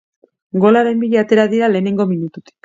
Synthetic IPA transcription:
ɡo̞laɾe̞mbiʎeat̪e̞ɾaðiɾale̞ːne̞ŋɡo̞minut̪ut̪i̥k

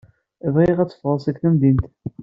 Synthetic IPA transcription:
vʁiʁæt͡sːə̥fʁəsˤækθæmd̪int̪

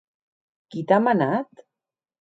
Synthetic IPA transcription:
kit̪amənat̪

